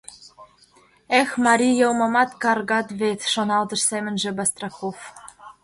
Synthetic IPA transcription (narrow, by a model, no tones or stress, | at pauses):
exmɑɾʲijɤ̆wmɤ̆mɑt̪kɑrɣɑt̪βet̪ʃonɑlt̪ɤ̆ʃsemɘ̆nʒĕbɑst̪rɑkof